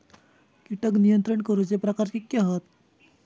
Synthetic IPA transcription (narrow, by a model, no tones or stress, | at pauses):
kiʈəknijənt̪ɾəɳkəɾuːt͡sepɾəkaɾkikːeaɦət̪